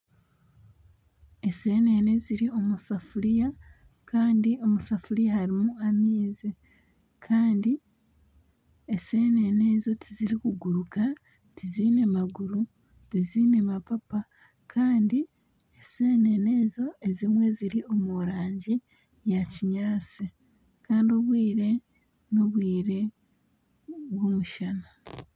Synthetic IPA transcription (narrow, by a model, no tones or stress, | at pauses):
e̞se̞ːne̞ne̞ziɾio̞musafuɾija | kaːndio̞musafuɾijahaɾimuamiːze | kʰaːndi | ese̞ːne̞ne̞ːzo̞tʰiziɾikuɡuɾuka | tiziːne̞maɡuɾu | tiziːne̞mapapa | kʰaːndi | eseːne̞ne̞ːzo̞e̞zimwe̞ziɾio̞muɾaːɲɟi | jaciɲaːt͡si | kaːndio̞βwiːɾe̞ | no̞βwiːɾe̞ | βwo̞muʃana